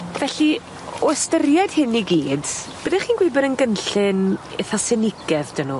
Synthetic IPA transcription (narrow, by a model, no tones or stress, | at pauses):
vɛɬi | ɔɛstəɾjɛd̥hɨniɡiːd̥b̥ədɛχiːnɡwɪbɛɾənɡənɬɪnɛθasɛnɪɡ̥ɛðd̥ənu